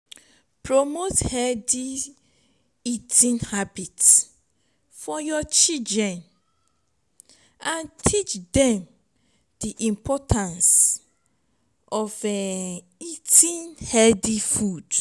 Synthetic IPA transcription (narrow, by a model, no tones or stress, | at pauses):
pʰɹomothɛdi | itʰĩnhabits | fɔjɔt͡ʃidɹɛ̃n | ãntʰit͡ʃdɛ̃m | d̥iʔĩmpʰɔtʰãns | ʔɔfɛ | itʰĩnhɛdifud̥